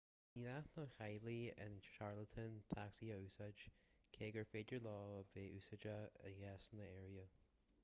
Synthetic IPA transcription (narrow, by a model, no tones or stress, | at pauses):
ninasnəxajliɪ̰nʃaɹlət̪ʰənt̪ʰaksiəusad͡ʒkʰeːɡəɹfedəɹlɔːəbeːʔuːsəd͡ʒəə̰ɡɛsnəɛːɹiə